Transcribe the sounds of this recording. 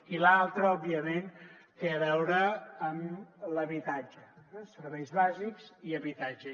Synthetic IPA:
ilalˠt̪ɾəɔbiəment̪eəβɛwɾəːmləβit̪ad͡ʒəɛsəɾβɛjzβazikz̥iəβit̪ad͡ʒə

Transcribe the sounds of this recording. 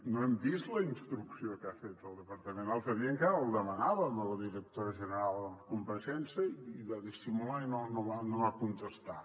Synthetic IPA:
nõɛmbist̪lɐinst̪ɾuksiokafet̪əlˠd̪əpɐɾt̪əmẽnt̪alˠt̪əβiəŋkaɾəlˠd̪əmɐnaβɐmələðiɾək̚t̪oɾəʒənəɾalˠd̪əkumpɐʃɛnsɐiðaðisimulainonõwanowakunt̪əst̪a

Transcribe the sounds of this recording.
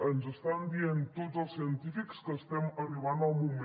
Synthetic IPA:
ənzəst̪and̪ient̪otzəlˠsiənt̪ifikskəst̪ɛməriβanəlˠmum

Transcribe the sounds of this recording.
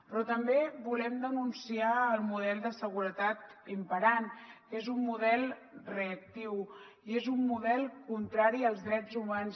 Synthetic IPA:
pɾɔt̪əmbeβulɛmd̪ənunsiaəlˠmuðɛlˠd̪əsəɣuɾət̪at̪impəɾankezumːuðɛlˠreək̚t̪iw | iezumːuðɛlˠkunt̪ɾaɾiəlˠzðɾɛd͡zumans

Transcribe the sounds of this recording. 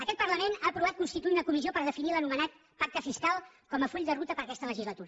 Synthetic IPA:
əkɛt̪pərləmenaəpɾuβat̪kunst̪it̪uiunəkumiziopəɾð̞əfinilənumənat̪̚ | pak̚t̪əfiskalˠ | kɔməfuʎʲd̪ərut̪əpəɾəkɛst̪ələʒizlət̪uɾə

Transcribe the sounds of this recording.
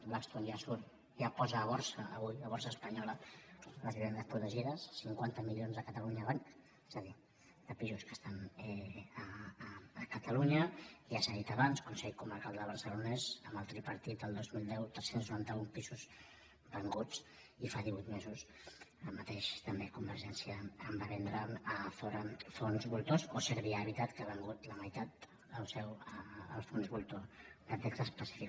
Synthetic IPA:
blakst̪onjasuɾt̪ | japɔzəːβɔɾsəːβujəβɔrsəːspəɲɔlələziβɛnd̪əspɾut̪əʒiðəsːiŋkwant̪əmilʎionzðəkət̪əluɲəːβaŋk | ɛzəði | d̪̥əpizuskəst̪anɛə | əkət̪əluɲəiasəðit̪əβanskunsɛʎkuməɾkalˠd̪əβ̞əɾsəlunɛzəmbəlˠt̪ɾipəɾt̪it̪̚d̪əlˠd̪ozmilˠd̪ɛwt̪ɾɛsenznuɾant̪əumpizuz | bəŋɡut͡s | ifaðiβuit̪mezus | əmət̪eʃt̪əmbekumbəɾʒɛnsjəːmbaβɛnd̪ɾənəfoɾəfonzβulˠt̪ozosəɾβiaːβit̪at̪kəaβəŋɡut̪ləməjt̪at̪ | əlsɛwəə̰lˠfonzβulˠt̪od̪ət̪ɛksəspəsi̥fi

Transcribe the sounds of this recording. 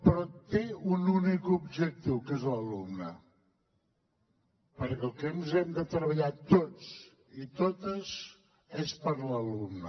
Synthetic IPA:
pɾɔt̪eununikubʒək̚t̪iwkezləlumnə | pəɾkɛlˠkɛnzɛmd̪ət̪ɾəβəʎat̪ot͡s | it̪ot̪əz | espəɾləlumnə

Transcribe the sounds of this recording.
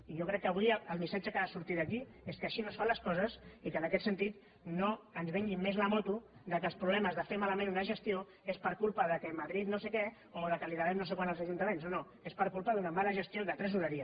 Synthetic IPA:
iʒɔkɾɛkːəβ̞uijəlˠmisad͡ʒəkəasuɾt̪id̪əki | eskəːʃinosfanləskɔzəsikənəkɛt̪sənt̪it̪ | noənzβɛŋɡimmezləmɔt̪ud̪əkəlˠspɾuβlɛməzðəfemaləmẽnunəʒəst̪io | espəɾkulˠpəðəkəmɐðɾit̪nosekɛ | oðəkəliðaɾɛmnos̬ekwanəlˠzəʒunt̪əmẽnsono | espəɾkulˠpəðunəmanəʒəst̪ioðət̪ɾɛzuɾəɾiə

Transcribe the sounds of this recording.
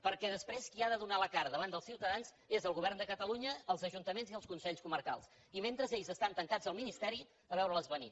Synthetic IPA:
pəɾkɛðəspɾeskiaðəðunaləkaɾðəβand̪əlˠsiwt̪əðanz | ezəlˠɣuβɛrnd̪əkət̪əluɲəːlˠzəʒunt̪əmenziəlˠskunsɛʎskuməɾka̰lˠs | iment̪ɾəzeʎzəst̪ant̪əŋkad͡zəlˠminist̪ɛɾi | əβɛwɾələzβənḭ

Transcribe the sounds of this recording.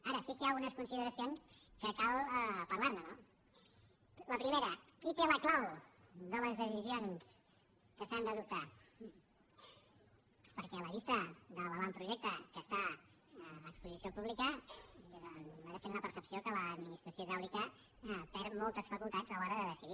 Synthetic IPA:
aɾəsikəjaɣunəskunsiðəɾəsionskəkalˠpəɾlaɾnəno | ləpɾimeɾəkit̪eləklawd̪ələzðəsizions | kəsand̪əðup̚t̪a | pəɾkɛələβist̪əðələβampɾuʒɛk̚t̪əkəst̪a | əkspuzisiopuβlikəezmaɾəst̪enləpəɾsəpsiokələd̪minist̪ɾəsioʒawlikə | p̪ɛɾmɔlˠt̪əsfəkulˠt̪ḁd͡zəlɔɾəðəðəsiði

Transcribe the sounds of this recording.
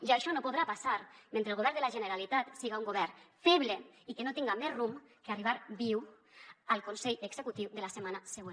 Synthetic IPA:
ʒaːʃɔnopoðɾapasaɾment̪elɣoβɛɾðelaʒeneɾalit̪at̪siɣauŋɡoβɛɾfɛβleikenot̪iŋɡamɛzrum | keariβaɾbiw | alˠkonseʎəɡz̥ekut̪iwðelasemanaseɣen

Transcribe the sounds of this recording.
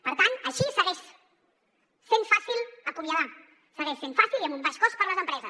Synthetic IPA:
pəɾt̪anəʃisəɣɛʃ | senfasilˠəkumjəða | səɣɛʃsenfasiliəmumbaʃkɔspəɾləzəmpɾɛzəs

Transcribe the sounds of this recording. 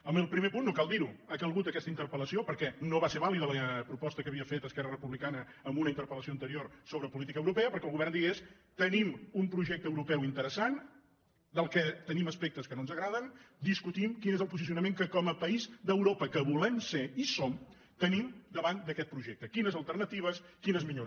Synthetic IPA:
əməlˠpɾimepunːokalˠd̪iɾuəkəlˠɣut̪əkɛst̪əint̪əɾpələsiopəɾkɛnoβaseβ̞aliðələpɾupɔst̪əkəβiəfet̪əskɛrərəpuβlikanə | əmbunəint̪əɾpələsioənt̪əɾiorsoβɾəpulit̪ikəwɾupɛəpəɾkɛəlˠɣuβɛrnd̪iɣes | t̪ənimumpɾuʒɛk̚t̪əːwɾupɛwint̪əɾəsan | d̪əlˠkɛt̪əniməspek̚t̪əskənonzəɣɾaðənd̪iskut̪imkinezəlˠpuzisiunəmeŋkəkɔməpəizd̪əwɾopəkəβulɛmseisom | t̪ənimd̪əβand̪əkɛt̪̚pɾuʒɛk̚t̪əkinəzəlˠt̪ərnət̪iβ̞əskinəzmiʎoɾ

